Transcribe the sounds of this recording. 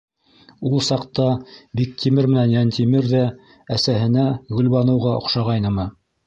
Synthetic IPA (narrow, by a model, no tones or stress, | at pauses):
ulˠsɑqt̪ɑbik̚t̪ʰimɘɾmɘ̆nænjænt̪ʰimɘɾðæ | æsæɦɘ̆næɡɵ̆lβɑnɤ̆wʁɑŏ̰χʃɑʁɑjnɤmɤ